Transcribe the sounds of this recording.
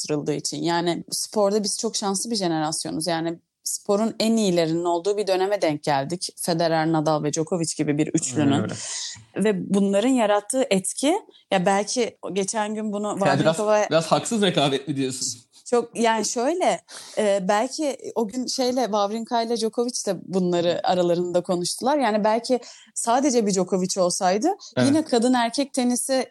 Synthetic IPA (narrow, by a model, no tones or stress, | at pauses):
t̪ʰɯɾɯlˠd̪ɯːit͡ʃʰḭnjaːnɪspʰo̞ɾd̪abiz̥t͡ʃʰo̞kʃansɯbiʒe̞ne̞ɾasjo̞nuzjaːnɪ | spʰo̞ɾunænijilʲe̞ɾinino̞lˠd̪uːbid̪ø̞ne̞mɛd̪ɛɲc̚ɟælʲd̪icfe̞d̪e̞ɾalʲnad̪alˠvɛd͡ʒo̞kʰo̞vit͡ʃɟibibiɾyt͡ʃlʲyny | vɛbunlˠaɾɯnjaɾat̪ʰːɯːʔɛt̪cʰijabælʲcʰɪɟe̞t͡ʃʰænɟynbunuvaviɾakavajbiɾaz̥haksɯzɾekaːbɛt̪lʲid̪ijosun | t͡ʃʰo̞k̚jaːniʃø̞jlʲɛː | bælʲcʰio̞ɟynʃe̞jlʲɛvavɾiŋkʰajlʲˠad͡ʒo̞kʰo̞vit͡ʃd̪ɛbunlˠaɾɯa̰ɾalˠaɾɯnd̪akʰo̞nuʃt̪ʰulˠaɾjaːnibælʲcʰɪ | saːd̪e̞d͡ʒɛbid͡ʒo̞kʰo̞vit͡ʃʰo̞lˠsajd̪ɯjinɛkʰad̪ɯnæɾcʰɛc̚t̪ʰe̞nisɪ